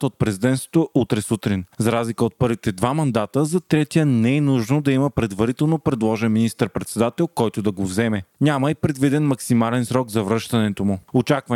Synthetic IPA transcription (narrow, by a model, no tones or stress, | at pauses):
t̪əot̪̚pɾɛzid̪ɛnsot̪oʔut̪ɾɛsut̪ɾinzɐɾazlikəot̪̚pɤɾvit̪ɛd̪vamɐnd̪at̪əzɐt̪ɾɛt̪ijənɛɛnuʒnod̪ɐiməpɾɛd̪vɐɾit̪ɛlˠnopɾɛd̪lˠɔʒɛnminist̪əɾpɾɛt̪sɛd̪at̪ɛlˠkɔjt̪od̪ɐɡovzɛmɛnʲamɐipɾɛd̪vid̪ɛnmɐksimalɛnsɾɔɡzɐvɾɤʃt̪ɐnɛt̪omʊot͡ʃakvə